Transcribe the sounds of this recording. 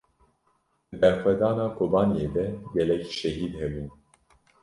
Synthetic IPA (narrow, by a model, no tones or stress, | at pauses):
d̪̥ɨd̪ɛɾxwɛd̪ɑːnɑːkʰobɑːnijeːd̪ɛɡɛlɛkʃɛɦiːd̪hɛbuːn